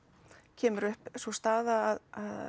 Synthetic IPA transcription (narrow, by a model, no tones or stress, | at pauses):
cʰɛːmʏɾʏhpsɔst̪aːðaːðað